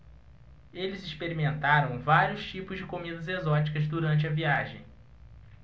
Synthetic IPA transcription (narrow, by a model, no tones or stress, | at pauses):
elɪzɪʃpeɾimẽnt̪aɾɐ̃w̃vaɾijʊst͡ʃipʊzd͡ʒɪkomid̪ɐzezɔt͡ʃi̥kɐzd̪uɾɐ̃nt͡ʃɪɐviaʒẽj̃